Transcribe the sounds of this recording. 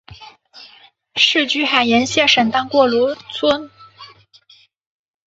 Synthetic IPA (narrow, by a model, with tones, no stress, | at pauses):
ʂɻ̩˥˧t͡ɕy˥xa˨˩ɪjɛ˧˥nɕjɛ˥˩ʂə˨˩ŋt̪ɑ˥ŋkwɔ˥˩lwɔ˧˥t͡sʰwə˥n